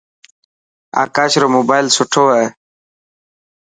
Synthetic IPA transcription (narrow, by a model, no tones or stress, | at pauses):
a̰kaːɕɾomobajlsuʈʰoae